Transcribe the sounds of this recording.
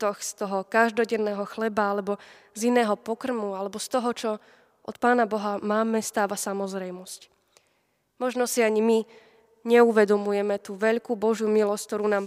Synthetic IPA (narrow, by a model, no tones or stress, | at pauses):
t̪ɔxst̪ɔɦɔkaʒd̪ɔɟɛnːɛːɦɔxlɛbaalɛbɔ | zinɛːɦɔpɔkr̩mualɛbɔst̪ɔɦɔt͡ʃɔ | ʔɔt̪paːnabɔɦamaːmɛst̪aːʋasamɔzɾɛjmɔsc | mɔʒnɔsiaɲimi | ɲɛuʋɛd̪ɔmujɛmɛt̪uːʋɛʎkuːbɔʒjumilɔsc̚t̪ɔɾuːnaːm